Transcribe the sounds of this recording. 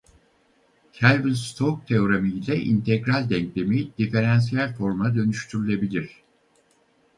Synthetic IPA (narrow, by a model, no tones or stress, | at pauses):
cʰælʲvilʲst̪ʰok̚t̪ʰeoɾamijlʲɛʔḭnt̪ʰɛɡɾalʲd̪ɛɲclʲe̞mid̪̥ife̞ɾans̬ijælʲfo̞ɾmad̪ø̞nyʃt̪ʰyɾylʲˠebilʲiɾ̥